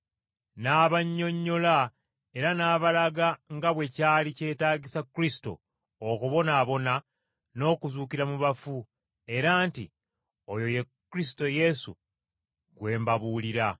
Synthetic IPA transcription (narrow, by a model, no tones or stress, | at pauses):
naːβaɲːo̞ɲːo̞la | e̞ɾanaːβalaɡaŋɡaβwe̞caːlice̞ːtaːɟisakːɾisi̥to̰ | okuβo̞naːβo̞na | no̞ːkuzuːkiɾamuβafu | e̞ɾaːntḭ | ojo̞je̞kːuɾis̬i̥to̞je̞sṵ | ɡwe̞ːmbaβuːliɾa